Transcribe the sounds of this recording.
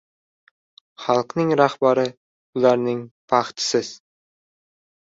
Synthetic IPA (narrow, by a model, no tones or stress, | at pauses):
χɑlˠqnɪŋɾɑχbɑɾə | ʊlˠɑɾnɪŋpʰɑχt̪ɪ̥sɪz̥